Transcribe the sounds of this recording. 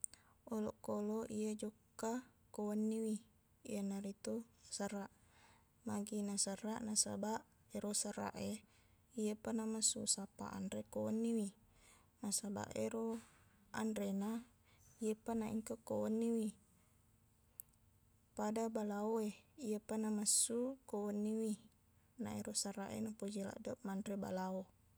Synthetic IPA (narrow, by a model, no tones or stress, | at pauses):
oloʔkoloʔijad͡ʒokːakowanːiwḭː | janaɾit̪usəraʔ | maɡinasərːaʔnasa̰baʔ | eɾosəra̰ʔe | iapanamasṵsapa̰ʔa̰ndɾekowanːiwi | nasaba̰ʔḛɾo | ʔa̰ndɾena | ijəpanaḭŋkakowonːiwi | padabalaoeijəpanamasːukowonːiwi | na̰eɾosaraʔḛnapod͡ʒila̰ʔdoʔ̚mandɾeba̰lao